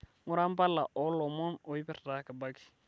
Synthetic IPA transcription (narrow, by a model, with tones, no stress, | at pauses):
ŋʊ˦ɾa˦m̩˦ba˦la˨ʔɔ˦lɔ˨mɔ˦no˨i˦pɛ˦ɾa˨ka˨ba˦ki̥˨